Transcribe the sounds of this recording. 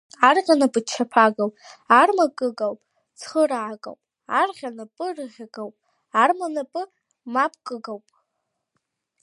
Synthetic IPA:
arʁʲanapʼɨt͡ʃʰːapʰaɡawpʼarmakʼɨɡawpʼ | t͡sʰχəɾaʕːkʼa̰wpʼ | arʁʲanapʼɨrɨʁʲaɡawpʼ | armanapʼɨ | mapʰʼkʼɨɡawpʼ

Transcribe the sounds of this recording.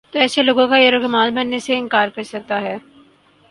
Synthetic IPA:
t̪oɛːseloːɡõkajeɾokɐmaːlbɐnːeseɪ̃nkaːɾkɐɾsɐk̚t̪aɦɛː

